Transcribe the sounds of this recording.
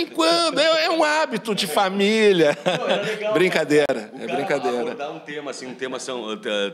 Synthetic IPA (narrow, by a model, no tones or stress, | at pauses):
ĩkwɐ̃d̪ʊɛɛũabit̪ʊd͡ʒɪfamiljɐ | bɾĩŋkad̪eɾɐ̰ɛ̰bɾĩŋkad̪eɾɐd̪aũt̪ẽmɐsĩũt̪ẽmɐsẽɛ